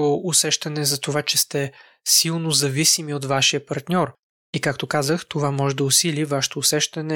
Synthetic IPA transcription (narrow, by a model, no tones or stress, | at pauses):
oʊsɛʃt̪ɐnɛzɐt̪ovat͡ʃɛst̪ɛ | silˠnozɐvisimiot̪vaʃijəpɐɾt̪nʲɔɾ | ikak̚t̪okazəxt̪ovamɔʒɛd̪ɐʊsilʲivaʃɛ̥t̪oːsɛʃt̪ɐnɛ